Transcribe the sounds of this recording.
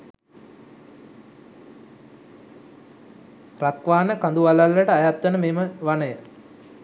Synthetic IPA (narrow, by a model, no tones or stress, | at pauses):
rakʋaːnəkand̪uʋalalːəʈəajat̪ʋənəmeːməʋanəjə